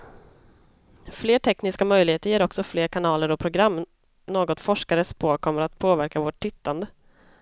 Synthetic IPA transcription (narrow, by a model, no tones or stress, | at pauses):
fleːʈʰɛknɪskamœjlɪheːt̪əɾjeːɾɔksɔfleːɾkʰanɑːləɾɔpʰɾʊɡɾamː | noːɡɔt̪fɔʂkaɾəspʰoːkʰɔmːəɾat̪pʰoːvæɾkavoːʈʰːɪt̪ːand̪ə